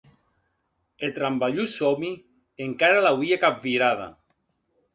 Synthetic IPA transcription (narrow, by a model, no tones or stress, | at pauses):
et̪ɾambaʎusomi | eŋkaɾalawiakap̚viɾaða̰